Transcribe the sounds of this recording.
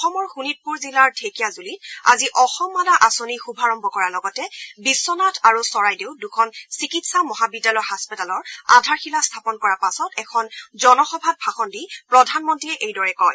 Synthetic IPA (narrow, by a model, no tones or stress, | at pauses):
ɔxɔmɔɹxunit̚puɹzilaɹtʰekijazulita̰ziʔɔxɔmːadaʔasonixubʱaɹɔmbɔkɔɹalɔɡɔtɛbisːɔnatʰaɹusɔɹajdeʊdukʰɔnsikitsamɔɦabidalɔhaspitalɔɹadʱaɹxilastʰapɔnkɔɹapasɔtɛkʰɔnzɔnɔxɔbʱad̚bʱaxɔndipɹɔdʱanmɔntɹiɛʔejdɔɹɛkɔj